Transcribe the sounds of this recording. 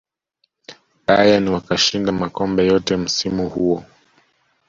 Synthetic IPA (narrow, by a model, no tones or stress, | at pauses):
ɓajaniwakaʃindamakɔmbɛjɔtɛm̩simuhuɔ